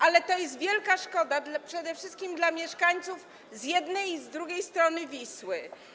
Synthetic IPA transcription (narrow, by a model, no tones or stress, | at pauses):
ʔalɛt̪ɔjɛs̬t̪vʲjɛlkaʂkɔd̪ad̪lapʂɛd̪ɛfʂɘst̪̚kʲimd̪lamʲjɛʂkaɲt̪suf | zjɛd̪nɛjzd̪ɾuɡʲejst̪ɾɔnɘvʲiswɘ